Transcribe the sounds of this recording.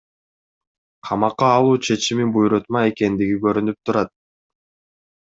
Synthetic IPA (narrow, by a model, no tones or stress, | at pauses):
qʰɑmɑqːɑːlˠuːt͡ʃʰe̞t͡ʃimibujɾot̪mɑe̞ke̞nd̪iɡiɡø̞ɾynyp̚t̪uɾɑt̪̚